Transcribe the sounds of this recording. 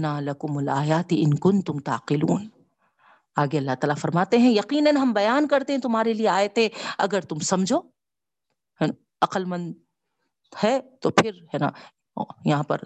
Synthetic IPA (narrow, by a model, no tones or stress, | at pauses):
naːlɐkʊmɐlaːjaːt̪iʔɪnkʊnt̪ʊmt̪a̰ːqɪluːn | aːɡeɐlːaɦt̪aːlafɐɾmaːt̪eɦɛ̃jɐqiːnɐnɦɐmbɐjaːnkɐɾt̪eɦɛ̃t̪ʊmɦaːɾelieaːjet̪ẽɐ̰ɡəɾt̪ʊmsɐmd͡ʒʱoː | hɛ | ɐqəlmɐ̃nd̪ | hɛt̪oːpʰɪɾɦɛːna̰ | jɐɦãːpɐ̰ɾ